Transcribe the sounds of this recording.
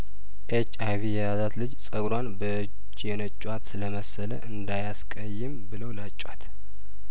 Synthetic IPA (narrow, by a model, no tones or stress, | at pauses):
ʔet͡ʃːajvijɛjazat̪lɨd͡ʒsʼəɡɾwanbəɨd͡ʒ | jɛnət͡ʃʼːwat̪ləməsələ̰ʔɨnd̪ajaskʼəjːɪmbɨləwlat͡ʃʼːwat̪